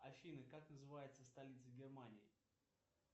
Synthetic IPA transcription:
ɐfʲinɨkaknəzɨvajɪt̪səst̪ɐlʲit̪səɡʲɪrmanʲɪɪ

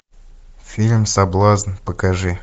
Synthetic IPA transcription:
fʲilʲmsɐblˠaznpəkɐʐɨ

